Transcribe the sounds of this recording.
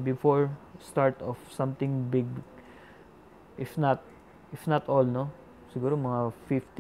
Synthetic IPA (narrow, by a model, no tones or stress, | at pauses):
bɪfoɹst̪aɹt̪ɔfsɐ̃mt̪ɪ̃ŋbɪɡ̚ | ʔɪfnɐt̪̚ | ɪfnɐt̪ʔolno | sɪɡuːɾomɐŋafɪft̪